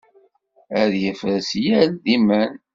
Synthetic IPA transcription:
æðjəfəsjælðimæn

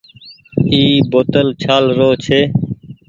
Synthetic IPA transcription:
iːboːt̪əlt͡ʃʰaːlɾoːt͡ʃʰeː

